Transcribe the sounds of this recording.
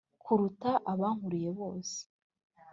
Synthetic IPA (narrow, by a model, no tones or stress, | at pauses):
kʰuɾutaʔaβaːŋhuɾije̞βo̞ːse̥